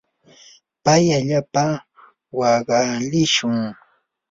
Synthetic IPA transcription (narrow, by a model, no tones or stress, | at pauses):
pajaʎapa | wɑɢɑlɪʃʊŋ